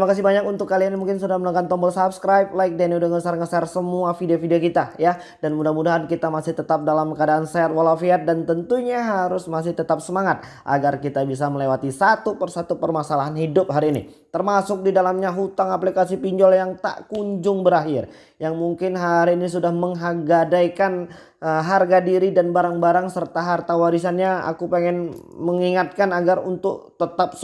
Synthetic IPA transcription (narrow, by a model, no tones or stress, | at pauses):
t̪imakas̬ibaɲakunt̪ʊkːalianmuŋkɪnsudahmənaŋɡant̪ɔmbɔlsapskɾajp̚laɪk̚daniudaŋəsarŋəsarsəmuafideofideokit̪aja | danmudahmudaɦankit̪amasɪht̪ət̪ap̚dalamkadaʔːnsɛat̪̚walafiat̪̚dant̪ənt̪uɲaɦaɾʊsmas̬ɪht̪ət̪ap̚səmaŋat̪̚ | ʔa̰ɡarkit̪abis̬aməlewat̪isat̪upərsat̪upərmasalaɦanhidʊp̚ɦaɾiːnḭ | t̪ərmasʊk̚didalamɲaɦut̪aŋaplikas̬ipiɲd͡ʒɔljaŋt̪a̰ʔkuɲd͡ʒʊŋbəɾaɦɪr | jaŋmuŋkɪnɦaɾiːnis̬udahməŋɦaɡadajkan | əɦarɡadiɾidanbaɾaŋbaɾaŋsərt̪aɦart̪awaɾisanɲaa̰kupeŋɛnməŋiŋat̪̚kanaɡarunt̪ʊk̚t̪ət̪ap̚